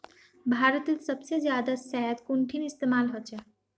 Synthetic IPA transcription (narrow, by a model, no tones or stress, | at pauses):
bʱaːɾət̪ilsəbsed͡ʒjad̪asajd̪kuɳʈʰinist̪emalɦot͡ʃʰə